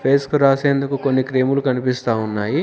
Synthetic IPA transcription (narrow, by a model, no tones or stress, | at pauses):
pʰeːskuɾaːseːnd̪ɐkukonːikɾe̞ːmulukɐnipist̪aːunːaːji